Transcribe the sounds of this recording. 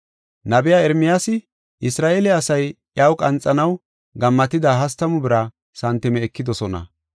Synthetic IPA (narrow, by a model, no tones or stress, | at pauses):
nɐbɪjaːɛɾmɪjaːsɪ | ʔɪsɾaːʔelɛɐsɐjʔjaːwkʼɐnt͡sʼːɐnɐw | ɡɐmːɐt̪ɪd̪aːɦɐst̪ːɐmʊbɪɾɐ | sɐnt̪ːɛmɛːkːɪd̪ɔsɔnɐ̰